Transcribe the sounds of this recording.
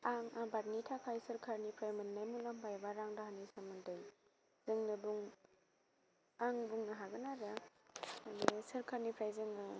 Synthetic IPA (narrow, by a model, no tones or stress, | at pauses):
aŋabatnitʰakʰajsɐɾkʰaɾnipʰɾajmɯnnajmulampʰajbaɾaŋdaɦanisamɯndaj | zɯŋnɐbuŋ | aŋbuŋnaɦaɡɯnaɾa | anesɐɾkʰaɾnipʰɾajzɯŋnɯ